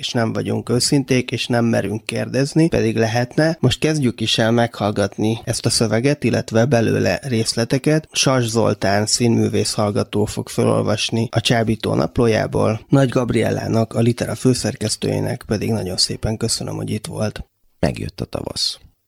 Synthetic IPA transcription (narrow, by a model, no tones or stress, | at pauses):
eːʃnɛɱvɒɟuŋkøːsint̪eːkeːʃnɛmːɛ̰ɾyŋkːeːrd̪ɛznipɛ̰d̪iɡlɛɦɛt̪nɛmo̞ʃt̪̚kɛzɟykiʃɛlmɛkhɒlɡɒt̪niɛst̪ɒsøvɛɡɛt̪ilːɛt̪ʋɛbɛlø̰ːlɛ̰reːslɛt̪ɛkɛt̪ʃɒrʒzo̞̰lt̪aːnsiːnmy̰ːveːshɒlɡɒt̪oːfo̞kfølo̞̰lvɒʃniɒt͡ʃaːbiːt̪o̰ːnɒ̰ploːja̰ːbo̰ːlnɒɟɡɒbriɛ̰lːa̰ːnɒkɒlit̪ɛɾɒføːsɛrkɛst̪ø̰ːjḛːnɛ̰kpɛd̪iɡnɒɟo̞nsḛːpɛŋkø̞sønømho̞̰ɟit̪ʋo̞lt̪ | mɛ̰ɡjø̰t̪ːɒt̪ɒvɒ̰s